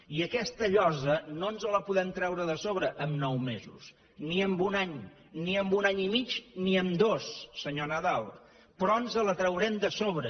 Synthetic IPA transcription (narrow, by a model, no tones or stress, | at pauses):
iəkɛst̪əʎɔzənonzələpuðɛmt̪ɾɛwɾəðəsoβɾəʔəmnɔwmezṵs | niəmbunaɲ | niəmbunaɲimit͡ʃniəmd̪osːəɲonəðalˠ | pɾɔənzələt̪ɾəwɾɛmd̪əsoβ̞ɾə